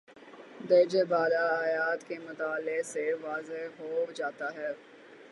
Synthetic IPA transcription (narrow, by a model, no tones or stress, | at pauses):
d̪ɐːd͡ʒebaːlaːjaːt̪kemʊt̪aːleseʋaːzeɦod͡ʒaːt̪aɦɛː